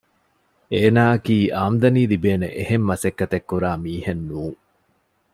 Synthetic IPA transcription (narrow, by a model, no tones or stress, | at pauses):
eːnaːɐkiːʔaːmd̪ɐniːlibeːnḛʔehemːɐsekːɐt̪ekːuɾaːmiːhenːuːŋ